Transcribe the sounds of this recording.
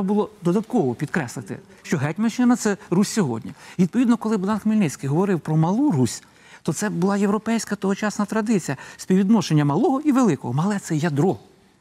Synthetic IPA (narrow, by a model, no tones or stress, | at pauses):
ɛbɐbʊlˠɔd̪ɔd̪ɐt̪kɔʋɔpʲid̪kɾɛslˠɪt̪ɪ̰ | ʃt͡ʃɔɦɛtʲmɐʃɪnɐt̪sɛɾusʲsʲɔɦɔ̰dʲnʲiʋʲid̪̚pɔʋid̪nɔkɔlˠɪbd̪ɑnxmilʲnɪt͡sʲkɪjɦɔʋɔɾɪwpɾɔmɐlˠurusʲ | t̪ɔt̪sɛbʊlˠɑjewɾɔpɛjsʲkɐt̪ɔɦɔt͡ʃɑsnɐt̪ɾɐd̪ɪt͡sʲijɐspʲiʋʲid̪nɔʃenʲːɐmɐlˠɔɦɔiʋelˠɪkɔ̰ɦɔmɐlˠɛt̪sɛjɐd̪ɾɔ